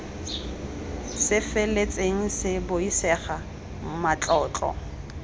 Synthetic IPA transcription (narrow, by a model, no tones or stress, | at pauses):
sɪfelet͡sʼeŋ̩sɪboisɛχa | mat͡ɬʼɔːt͡ɬʼɔ̰